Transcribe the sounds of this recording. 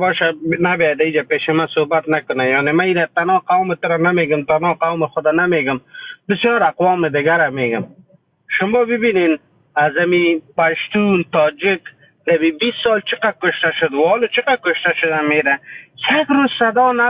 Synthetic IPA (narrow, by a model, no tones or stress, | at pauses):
bɔːʃanabjad̪aid͡ʒapeːʃɪmasohbat̪nakʊnajɔːnemaiɾat̪anɔːqawmɪt̪ʊɾanameɡʊmt̪anɔːqawmɪxʊd̪anameɡʊmbɪsjɔːɾaqwɔːmɪd̪ɪɡaɾameɡʊm | ʃʊmɔːbɪbinen | azamipaʃt̪unt̪ɔːd͡ʒɪk | d̪abibist̪ːɔlt͡ʃɪqakʊʃt̪aʃʊd̪wɔːlot͡ʃɪqakʊʃt̪aʃʊd̪ameɾasakɾozsad̪ɔːna